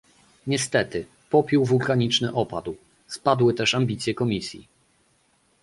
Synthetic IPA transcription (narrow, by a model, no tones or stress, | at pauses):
ɲɛst̪ɛt̪ɘ | pɔpʲjuwvulkaɲit͡ʂnɘʔɔpad̪w | spad̪wɘt̪ɛʂambʲit̪sʲjɛkɔmʲisʲjḭ